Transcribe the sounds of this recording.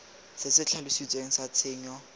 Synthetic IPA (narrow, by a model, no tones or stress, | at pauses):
sɪsɪt͡ɬʰalusit͡sʼweŋ̩sat͡sʰɪːɲɔ